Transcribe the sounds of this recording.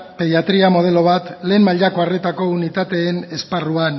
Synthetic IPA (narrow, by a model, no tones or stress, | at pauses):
pe̞ðjat̪ɾiamo̞ð̞e̞lo̞β̞at̪le̞ːnmaʎako̞are̞t̪ako̞unit̪at̪e̞ːne̞sparuan